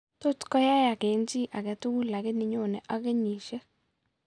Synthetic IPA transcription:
to˦tkɔ˦ja˦ja˨kɛ˨˦nd͡ʒi˦ʔa˨kɛ˨tu˦ku˦la˨kɛ˦ni˨ɲo˦˨nɛ˨ʔa˦kɛ˦ɲi˨ʃe˦

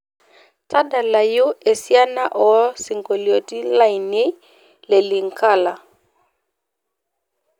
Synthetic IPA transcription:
ta˦da˨la˨jo˦ɛ˨si˦a˦na˦ʔɔ˨˦si˨ŋɡo˨li˨o˨ti˦la˦i˨nɛ˦ | lɛ˨li˨ŋ˨kʰa˦˨la˨

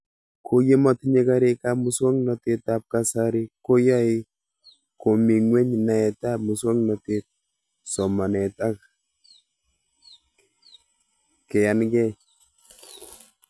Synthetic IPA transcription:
kʰo˦je˦ma˦tɲe˦ka˦ɾe˦ka˦mu˦swɔ˦ŋnɔ˨te˦t̪ap̚ka˨saɾi˦ko˦ja˦i˦ | ko˨mi˨ŋwe˦ɲna˨ɛ˨ta˦mu˨swɔ˦ŋnɔ˨tet̪̚ | sɔ˨ma˨nɛ˨ta˦k | kɛ˨a˨nɡɛ˦

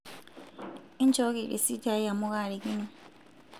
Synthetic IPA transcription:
i˦nd͡ʒʱɔ˦k̬i˨lḛ˨si˦tʰi˨a˦i˦ja˨mu˦k̬a˦˨li˨k̬i˦nɛ˨

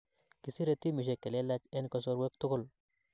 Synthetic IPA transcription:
ki˨si˦ɾe˦t̪i˦mɪ˨ʃ̬ɛ˨kːɛ˨lɛ˦la˦t͡ʃɛ˦nkɔ˦s̬ɔ˦ɾwɛ˦k̚tʊ˦kʊ˦˨l

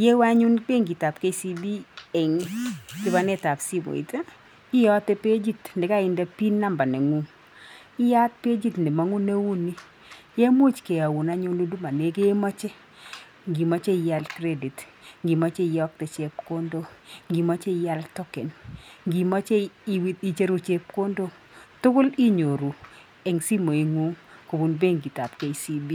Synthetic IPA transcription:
je˦wa˦ɲu˦nk͡pe˦ŋɡi˨ta˨pke˦si˦bi˦e˨ŋ˦kɪ˦ba˦nɛ˦ta˨psi˦bo̰˨ḭ˨ta˦ | ɪ˦jɔ˦te˦pe˦d͡ʒi˦tndɪ˨ka˦˨ɪ˦nda˦pi˦nːa˦mba˨ne˨ŋu˨˦m | ɪ˦ja˦t̚pe˦d͡ʒi˦tndɪ˨ma˨ŋu˦ne˦wu˦ni˦ | je˦mu˦t͡ʃke˨a˨wu˨na˦ɲʊ˦nu˦du˦ma˨ne˦ke˦e˦mɔ˦t͡ʃe˦ | ŋɡi˨ma˦t͡ʃe˦˨ja˦lkɾe˦di˨t | ŋɡi˨ma˦t͡ʃe˦˨jɔ˦k̚tɛ˨t͡ʃe˦pko˦ndo˦ŋɡi˨ma˦t͡ʃe˦˨ja˦ltɔ˦kɛ˨nŋɡi˨ma˦t͡ʃe˦i˨wi˦ti˦t͡ʃe˦ɾo˦t͡ʃe˦p̚ko˦ndo˦ | tʊ˦kʊ˦li˦ɲo˨ɾu˨ | ɛ˨ŋsi˦mo˨i˨ŋu˦ŋko˨bu˨nbe˦ŋɡi˨ta˨pke˦isi˦bi˦

